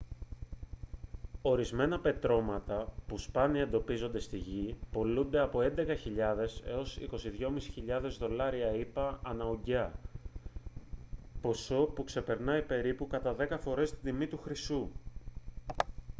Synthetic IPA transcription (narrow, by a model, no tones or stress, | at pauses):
o̞ɾizme̞nɐpe̞t̪ɾo̞mɐt̪ɐpuspɐniɐe̞nd̪o̞pizo̞nd̪e̞st̪iʝipo̞lund̪e̞ɐpo̞e̞nd̪e̞kɐçiʎɐðe̞se̞̰o̞sḭko̞siðʝo̞misi̥çiʎɐðe̞zðo̞lɐɾiɐipɐːnɐoɲɟɐ | po̞so̞pukse̞pe̞ɾnɐipe̞ɾipukɐt̪ɐðe̞kɐfo̞ɾe̞st̪it̪imit̪uxɾisu